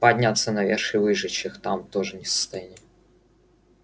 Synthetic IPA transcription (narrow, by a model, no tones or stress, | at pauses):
pɐdʲnʲat̪sənɐvʲeʂɨvɨʐɨt͡ɕːɪxt̪amt̪oʐɨnʲɪsə̥st̪ɐjanʲɪ